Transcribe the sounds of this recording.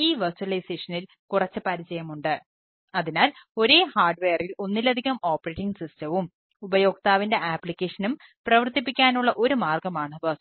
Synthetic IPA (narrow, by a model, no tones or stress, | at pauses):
iːʋɐrsuɐlɐjse̞ːʂɐnil | kurɐt͡ɕːɨpɐɾit͡ɕɐjɐmuɳɖɨ | ɐðinaːlo̞ɾe̞ːhaːrɖʋeːrilo̞nːilɐd̪ʱiɣɐmo̞ːpːɐreːʈːiŋɡsistɐʋum | ubɐjo̞ːɡ̚t̪aːʋinde̞ʔaːpːlikʲːeːʂɐnum | prɐʋɐrt̪ipːikʲːaːnuɭːɐʔo̞ɾumaːrɡɐmaːɳɨʋɐs